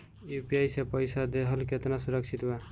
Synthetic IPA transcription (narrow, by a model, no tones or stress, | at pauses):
jupiajsepəɪsad̪eɦəlket̪nasʊɾəkt͡ʃʰit̪ɦue